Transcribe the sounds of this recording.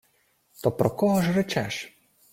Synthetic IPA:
t̪ɔpɾɔkɔɦɔʒɾɛt͡ʃɛʃ

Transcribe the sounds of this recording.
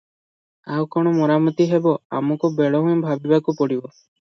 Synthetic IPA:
awkɔɽ̃ɔmɔɾamɔt̪iɦebɔa̰mɔkubeɭɔɦũẽbʱabibakupɔɽibɔ

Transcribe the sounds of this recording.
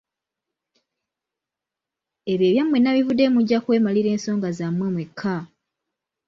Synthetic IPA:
eβjeːβjamwenaβivude̞muɟːakwe̞ːmaliɾe̞ːnso̞ːŋɡazamwemwekʰːa

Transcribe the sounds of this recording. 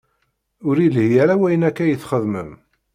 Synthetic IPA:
ʊɾilhjæɾæwæjənækːæjəθχəðmə̰m

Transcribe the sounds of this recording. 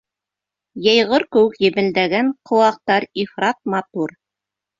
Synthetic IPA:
jɤjʁɤɾkɘ̆wɘkjɘ̆bɘ̆ld̪æɡæŋqʰŏw̪ˠɑq̚t̪ɑɾifrɑt̪̚mɑt̪uɾ

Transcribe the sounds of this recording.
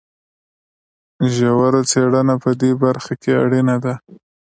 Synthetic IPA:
ʒawaɾat͡seɽənapəd̪ebaɾxakeaɽinad̪a

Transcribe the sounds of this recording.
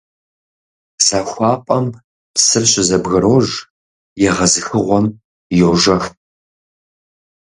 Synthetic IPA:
saxʷɑːpʷʼɐm | psɨrɕʼɪzɐbɣɐɾoːʒ | jɛʁɐzɨxɨʁʷɔm | joʒɐx

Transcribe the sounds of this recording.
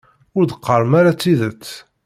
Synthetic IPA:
ʊɾd̪əqʰːəɾˤmaɾat͡sːiðət͡sː

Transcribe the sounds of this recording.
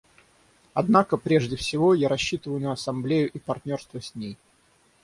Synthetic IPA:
ɐd̪nakəpɾʲe̞ʐdʲɪfsʲɪvo̞jaɾɐɕːit̪əvəjʊnəɐsɐmblʲejʊʔipɐrt̪ʲnʲo̞rst̪vəsʲnʲej

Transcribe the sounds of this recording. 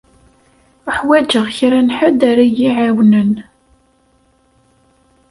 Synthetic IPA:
əħwæd͡ʒəʁçɾænħad̪aɾajiʕawnən

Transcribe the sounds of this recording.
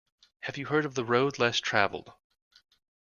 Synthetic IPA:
hɨvjɨɦɜ˞ɾʌvðəɹoʊdˡlɛstʰɹ̥æ̰vl̩ˠd̥

